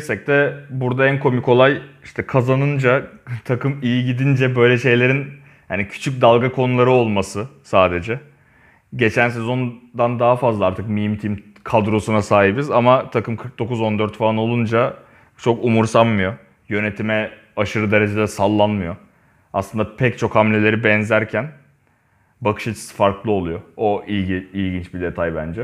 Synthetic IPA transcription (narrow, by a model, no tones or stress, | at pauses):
sɛc̚t̪ɛbuɾd̪aænkʰo̞miko̞lˠaji̥ʃt̪ʰɛkʰazanɯnd͡ʒat̪ʰakɯmijiɟid̪ind͡ʒɛbø̞jlʲɛʃe̞jlʲe̞ɾin | hanicʰy̥t͡ʃʰyc̬̚d̪alˠɡakʰo̞nulˠaɾɯo̞lˠmasɯsaːd̪e̞d͡ʒɛ | ɟe̞t͡ʃʰænsezo̞nd̪and̪aɦafazlˠaaɾt̪ʰɯkmimt̪ʰim | kʰad̪ɾo̞sunasaːɦibizamat̪ʰakɯmkʰɯɾk̚d̪o̞kuzo̞nd̪øɾt̪faano̞lˠund͡ʒa | t͡ʃʰo̞kumuɾsammɯjo̞ | jø̞ne̞t̪ʰimɛ | aʃɯɾɯd̪e̞ɾe̞d͡ʒed̪ɛsalˠːanmɯjo̞ | aslˠɯnd̪apʰɛct͡ʃʰo̞khamlʲe̞lʲe̞ɾibɛnzæɾcʰæn | bakʰɯ̥ʃat͡ʃʰi̥sfaɾklˠɯo̞lˠujo̞oʔijɟiilʲɟint͡ʃbid̪e̞t̪ʰajbænd͡ʒɛ